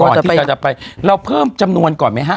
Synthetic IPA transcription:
ɔː˨˧˩nʰː˩˥˩a˧˩t͡ɕa˨˩pa˧jɾa˧wpʰɤː˥˩mt͡ɕa˧mnu˧ənkɔː˨˩nma˦˥˩jɦa˦˥˩

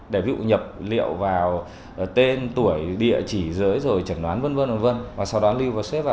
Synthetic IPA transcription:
ɗe˧˩vḭ˧ṵ˧˨ɲə˨˩p̚lḭ˧˨əwvaː˨˩w | t̪e˧nt̪u˧˩əjɗḭ˧˨ət͡ɕi˧˩zɨ̰ː˨˦jzo˨˩jt͡ɕə˧˩nɗwaː˨˦nvə˧nvə˧nvə˨˩və˧nvaː˨˩sa˧wɗɔ˨˦li˧wvaː˨˩wsɛ˦˥vaː˨

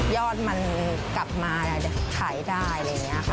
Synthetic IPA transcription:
jɔː˥˩t̪̚ma˧n | kla˨˩p̚maː˧tʰaː˨˩˦jdaː˥˩jɾa˧jŋːi˦˥ɐ˧˩kʰa˧˩

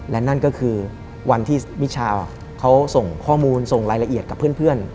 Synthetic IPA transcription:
lɛ˦˥na˥˩nkɔː˥˩kʰɯː˧ | wʔa˧nt̪ʰiː˥˩wi˦˥t͡ɕʰaː˧w | kʰa˦˥wso˨˩ŋkʰɔː˥˩muː˧nso˨˩ŋɾaː˧jla˧ʔi˨˩ət̪̚ka˨˩pʰːɯ˥˩ənpʰɯ˥˩ən

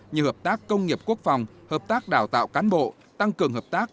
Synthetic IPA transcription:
ɲɨ˨˩həː˨˩p̚t̪aː˦˥kːə˧wŋ͡mŋi˨˩əp̚ku˦˥ək̚fa˨˩wŋ͡mhəː˨˩p̚t̪aː˦˥k̚ɗaː˧˩wt̪a̰ː˧˨wkaː˨˦nɓo̰˧˨ | t̪a˧ŋkɨ˨˩əŋɦəː˨˩p̚t̪aː˦˥k̚

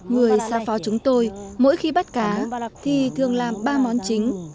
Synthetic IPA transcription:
ŋɨ˨˩əjsaː˨˦fɔ˨˦t͡ɕʊ˨˦ŋ͡mt̪o˧jmo̰˧˥jxi˧ɓa˦˥t̚kaː˨˦t̪ʰi˨˩t̪ʰɨ˨˩əŋlaː˨˩mɓaː˧mɔ˨˦nt͡ɕï˨˦ŋ̟

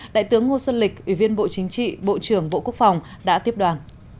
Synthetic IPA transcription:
ɗa̰ː˧˨jt̪ɨ˨˦əŋːo˧swə˧nlï˨˩k̚ʔwi˧˩vi˧ənɓo̰˧˨t͡ɕï˨˦ŋ̟t͡ɕḭ˧˨ɓo̰˧˨t͡ɕɨ˧˩əŋɓo̰˧˨ku˦˥ək̚fa˨˩wŋ͡m | ɗa̰ː˧˥t̪i˦˥əp̚ɗwaː˨˦n

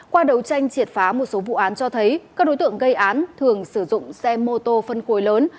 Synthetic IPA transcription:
kwaː˧ɗə˨˦wt͡ɕa˧jŋ̟t͡ɕi˨˩ət̚faː˨˦mo˨˩t̚so˨˦vṵ˧˨ʔaː˨˦nt͡ɕɔ˧t̪ʰə˨˦jkaː˦˥k̚ɗo˨˦jt̪ɨ˧˨əŋɣə˧jʔaː˨˦nt̪ʰɨ˨˩əŋsɨ˧˩zʊ̰˧˨ŋ͡msɛ˧mo˧t̪o˧fə˧nxo˨˦jləː˨˦n

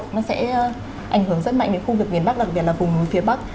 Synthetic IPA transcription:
nɔ˨˦sɛ̰˧˥˧ | ʔa˧˩jŋ̟hɨ˧˩əŋzə˦˥t̚ma̰˧˨ŋɲɨ̰˧˥ŋxu˧vɨ˨˩ək̚m˨ənɓa˦˥k̚ɗa˨˩k̚ɓi˨˩ətlːvʊ˨˩ŋ͡mnu˨˦jfi˨˦əɓa˦˥k̚

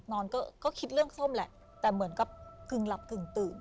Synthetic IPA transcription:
nɔː˧nkɔː˥˩kɔː˥˩kʰi˦˥t̪̚ɾɯ˥˩əŋsʰo˥˩mlɛ̰˧˩ʔ | t̪ɛː˨˩mɯ˨˩˦ənka˨˩p̚kɯ˨˩ŋla˨˩p̚kɯ˨˩ŋt̪ɯː˨˩n

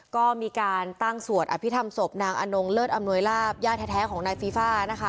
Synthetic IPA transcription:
kɔː˥˩miː˧kaː˧nt̪a˥˩ŋsu˨˩ət̪ʔa̰˨˩pʰi˦˥t̪ʰa˧mso˨˩p̚naː˧ŋʔa˧no˧ŋlɤː˥˩t̪̚ʔa˧mnu˧əjlaː˥˩p̚jaː˥˩t̪̚ʰɛ˧˩t̪ʰɛː˦˥kʰɔː˩˦ŋnaː˧jfiː˧˥faː˥˩na˦˥kʰa˦˥

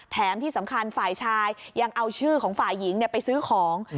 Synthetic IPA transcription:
t̪ʰɛː˩˦mt̪ʰiː˥˩sa˩˦mkʰa˧nfaː˨˩jt͡ɕʰaː˧jːa˧ŋʔa˧wt͡ɕʰɯː˥˩kʰɔː˩˦ŋfaː˨˩jːi˩˦ŋni˥˩ɐpa˧jsɯː˦˥kʰɔː˩˦ŋ

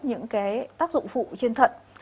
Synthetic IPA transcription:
ɲɨ̰˧˥ŋkaː˨˦jt̪aː˦˥k̚zʊ̰˧˨ŋ͡mfṵ˧˨t͡ɕe˧nt̪ʰə̰˧˨t̚

